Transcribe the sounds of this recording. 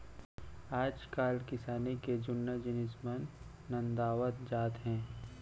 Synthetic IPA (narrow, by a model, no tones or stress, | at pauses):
aːd͡ʒkaːlkɪsaːniked͡ʒʊnːəd͡ʒɪnɪsmənː | ɐ̃nd̪aːʋət̪d͡ʒaːt̪ɦɛ̃ː